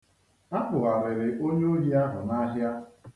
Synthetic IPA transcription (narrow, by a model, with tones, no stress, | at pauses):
a˦k͡pʊ˨ɣa˨ɾe˨ɾe˨ʔo˦ɲe˦o˦ɾi˦a˦ɦʊ˨na˦ɦja˦